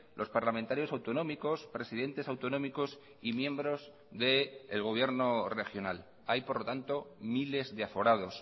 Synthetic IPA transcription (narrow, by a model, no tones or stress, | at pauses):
lʔo̞spaɾlamẽnt̪aɾjo̞sawt̪o̞nõ̞miko̞spɾe̞siðe̞nt̪e̞sawt̪o̞nõmiko̞s | imje̞mbɾo̞z | ðe̞ːlɣ̞o̞β̞je̞ɾno̞re̞xjo̞nal | ajpo̞ɾlo̞t̪ant̪o̞mile̞zðeafo̞ɾaðo̞s